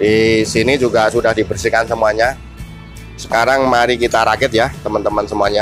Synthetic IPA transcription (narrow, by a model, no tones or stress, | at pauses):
disinid͡ʒuɡasudahdibərsikansəmuaɲa | sə̥kaɾaŋmaɾikit̪aɾaɡɪt̪̚jat̪əmənt̪əmənsəmuaɲa